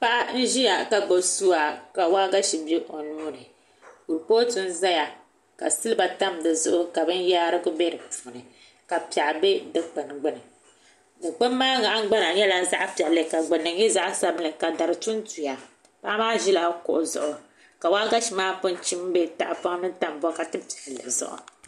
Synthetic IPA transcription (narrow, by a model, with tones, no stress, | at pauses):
pa˦ʔa˦n̩˦ʒi˦ja˨ka˨ɡ͡bo˨su˦a˨ka˨waː˦ɡa˦ʃi˨be˦ʔo˨nuː˦nɨ˨ | ku˨ɾpoː˦tu˦n˦za˦ja˨ | ka̰˨sɨ˦lɨ˦ba˨ta˦m˨dɨ˨zʊ˦ʔʊ˦ka˨bɨ˦n˦jaː˦ɾɨ˦ɡʊ˦bɛ˦ɾɨ˨pu˨nɨ˨ | ka˨pi˨a˨ʔbe˦dɨ˦k͡pɨ˨nɨ˨ɡ͡bɨ˦nɨ˨ | dɨ˨k͡pɨ˦mː˦aː˦ŋa˨ʔa˦ɡ͡ba˦na˨ɲɛ˦la˦za˦ʔpi˨ɛ˨lɨ˨ka˨ɡ͡bɨ˨nɨ˨ŋjɛ˦za˦ʔsa˦bɨ˦lɨ˨ka˨da˨ɾɨ˨tu˦ntu˨ja˨ | pa˦maː˦ʒi˦la˦kʊ̰˨ʔʊ˨zʊ̰˨ʔʊ˨ | ka˨waː˦ɡa˦ʃi˨maː˦pʊ˦n˦t͡ʃi˦m˦be˦ta̰˨ʔpa˦ŋ˦nɨ˦ta˦m˦bɔ˦ka˨tɨ˦pi˨ɛ˨ʔlɨ˨zʊ̰˦ʔʊ̰˨